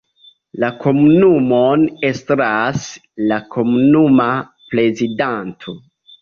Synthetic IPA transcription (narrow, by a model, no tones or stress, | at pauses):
lakʰo̞munumone̞stɾas | lakʰo̞munuma | pɾe̞zidantʰo